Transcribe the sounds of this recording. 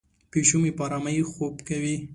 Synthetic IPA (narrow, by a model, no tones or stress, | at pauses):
piʃumipɑɾamaixopkawi